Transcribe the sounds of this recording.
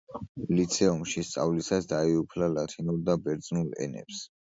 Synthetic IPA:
lit̪sʰɛumʃist̪sʼa̰vlisasd̪aiupʰlalat̪ʰinuɾd̪abɛɾd̪zʼnulɛ̰nɛ̰ps

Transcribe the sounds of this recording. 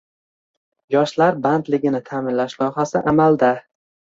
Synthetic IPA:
jɒʃlaɾband̪lɪɡʲɪnɪt̪ʰaːmɪnlaʃlɒhasɪʔamald̪a

